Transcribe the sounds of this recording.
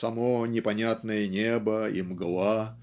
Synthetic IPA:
sɐmonʲɪpɐnʲat̪nəjənʲebəḭmɡlˠa

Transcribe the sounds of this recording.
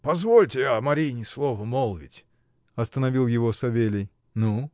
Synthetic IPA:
pɐzvolʲtʲɪjamɐɾʲinʲɪslˠovəmolˠvʲɪ̰tʲ | ɐst̪ənɐvʲilˠjɪvosɐvʲelʲɪj | nu

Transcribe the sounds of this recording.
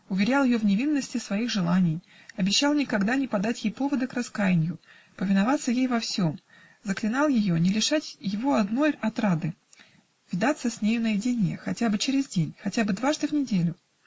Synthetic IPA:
ʊvʲɪɾʲalˠjɪjovnʲɪvʲinːəsʲtʲɪsvɐixʐɨlˠanʲɪj | ɐbʲɪɕːalˠnʲɪkɐɡd̪anʲɪpɐd̪atʲjejpo̞vəd̪ɨkrɐskajɪnʲjʊ | pəvʲɪnɐvat̪səjejvɐfsʲo̞m | zəklʲɪnɑlˠjɪjo̞nʲɪlʲɪʂatʲjɪvo̞ɐd̪no̞jɐt̪ɾad̪ɨ | vʲɪd̪at̪səsʲnʲejʊnəjɪdʲɪnʲɪjəxɐtʲabɨt͡ɕɪɾʲɪzdʲenʲxɐtʲabɨd̪vaʐd̪ɨvnʲɪdʲelʲʊ

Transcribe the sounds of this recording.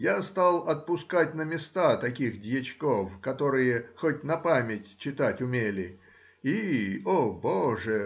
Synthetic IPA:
jast̪alˠɐt̪̚pʊskatʲnəmʲɪst̪at̪ɐkʲixdʲjɪt͡ɕko̞fkɐt̪o̞ɾɨjəxotʲnɐpamʲɪtʲt͡ɕːɪt̪atʲʊmʲelʲɪ | ioboʐə

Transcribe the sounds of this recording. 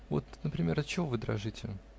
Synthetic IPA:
vo̰t̪nəpɾʲɪmʲe̞ɾɐt̪̚t͡ɕːɪvo̞vɨd̪ɾɐʐɨtʲɪ

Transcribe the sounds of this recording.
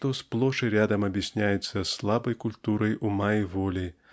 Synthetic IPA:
ʂt̪osplˠoʂɨɾʲad̪əmɐbʲjɪsʲnʲæjʊt̪səslˠabɐjkʊlʲt̪uɾəjumaivolʲi

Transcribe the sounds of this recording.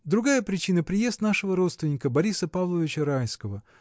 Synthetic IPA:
d̪ɾʊɡajəpɾʲɪt͡ɕinəpɾʲɪje̞st̪naʂɨvəɾo̞t̪st̪vʲɪnʲɪkəbɐɾʲisəpavlˠəvʲɪt͡ɕəɾajskəvə

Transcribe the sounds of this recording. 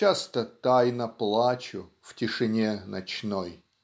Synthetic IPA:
ast̪ət̪ajnəplˠat͡ɕʊ | ftʲɪʂɨnʲenɐt͡ɕnoj

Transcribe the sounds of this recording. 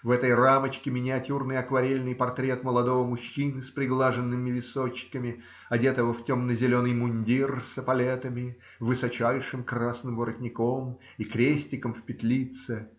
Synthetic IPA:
vɛt̪əjramət͡ɕkʲɪmʲɪnʲɪɐtʲurnɨjɐkvɐɾʲelʲnɨjpɐrt̪ɾʲet̪məlˠɐd̪o̞vəmʊɕːinɨspɾʲɪɡlˠaʐɨnːɨmʲɪvʲɪsot͡ɕːɪkəmʲɪ | ɐdʲet̪əvəftʲo̞mnəzʲɪlʲo̞nɨjmʊnʲdʲirsəpɐlʲet̪əmʲɪ | vɨsɐt͡ɕæjʂɨmkrasnɨmvəɾət̪ʲnʲɪko̞m | ikɾʲesʲtʲɪkəmfpʲɪt̪lʲit̪sɨ

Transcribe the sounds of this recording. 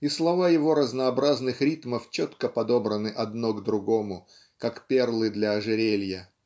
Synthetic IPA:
islˠɐvajɪvo̞ɾəznəːbɾaznɨxɾʲit̪məft͡ɕot̪kəpɐd̪o̞bɾənɨʔɐd̪noɡd̪ɾʊɡo̞mʊ | kakpʲe̞rlˠɨd̪lʲɐːʐɨɾʲelʲjə

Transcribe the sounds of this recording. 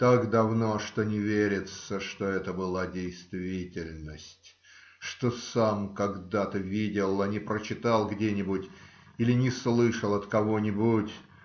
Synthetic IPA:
t̪akd̪ɐvnoʂt̪onʲɪvʲeɾʲɪt̪səʂt̪o̞ɛt̪əbɨlˠadʲɪjst̪vʲitʲɪlʲnəsʲtʲ | ʂt̪o̞samkɐɡd̪at̪əvʲidʲɪlˠanʲɪpɾət͡ɕɪt̪alˠɡdʲenʲɪbʊtʲ | ilʲɪnʲɪslˠɨʂəlˠɐt̪kɐvo̞nʲɪbutʲ

